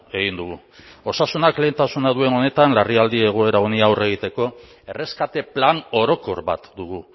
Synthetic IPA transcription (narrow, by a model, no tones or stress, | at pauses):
e̞ɣind̪uɣu | o̞sasunakle̞ːnt̪asunaðue̞no̞ne̞t̪anlariald̪ie̞ɣ̞oe̞ɾaoniawre̞ɣ̞it̪e̞ko̞ | e̞re̞skat̪e̞plano̞ɾo̞ko̞ɾβa̰t̪d̪uɣ̞u